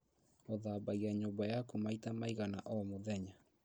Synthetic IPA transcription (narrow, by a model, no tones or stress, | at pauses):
oðaːbaɣiaɲobajakumaitamaiɣanaʔɔmoðɛɲa